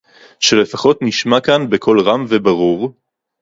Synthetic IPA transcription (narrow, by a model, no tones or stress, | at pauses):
ʃe̞le̞faχo̞tniʃmakanbekʰo̞lʁamvebaʁuʁ